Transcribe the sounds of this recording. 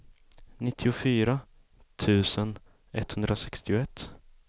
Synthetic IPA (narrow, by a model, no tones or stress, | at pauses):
nɪt̪ʰːɪʊfyːɾa | t̪ʰʉ̟ːsən | ɛ̰t̪ːhɵnd̪ɾasɛkst̪ɪʊɛt̪ː